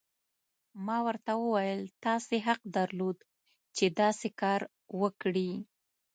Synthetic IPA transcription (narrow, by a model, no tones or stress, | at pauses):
mɑwəɾt̪awəwajəlt̪ɑseɦaq̚d̪aɾlod̪ | t͡ʃed̪ɑsekɑɾ | wəkɽi